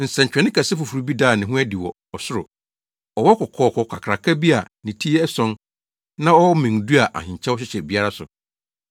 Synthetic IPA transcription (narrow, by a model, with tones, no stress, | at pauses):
n̩˨sɛ̃˨ɲ̩˨t͡ɕᶣɛ̃˨nɪ̃˦kʰa˨sɛ˦fʊ˨fu˨ɾu˨bi˦daː˦˨nɪ̃˨ɦʊ̃˦ɛ˦di˨wɔ˨ | ɔ˨sʊ˦ɾʊ˨ | ɔ˨wɔ˦kʰɔ˨kʰɔː˨kʰɔ˨kʰa˨kʰɾa˨kʰa˦bi˦a˨ | nĩ˨tʰi˦ɛ˦ɛ˦sɔ̃˦n | nã˦ɔ˦mĩ˨ŋdu˦a˨ʔa̰˨hɪ̃˨ɲ˨t͡ɕʰɛ̃˦wɔ˦ɕ̬ɪ˦ɕɛ˨bi˦a˦ɾa˦sʊ̰˨